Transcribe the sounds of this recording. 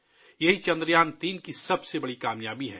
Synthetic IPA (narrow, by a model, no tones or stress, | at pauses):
jɐɦit͡ʃɐ̃nd̪ɾjaːnt̪iːnkisɐbsebɐɽikaːmjaːbiɦɛ̃ː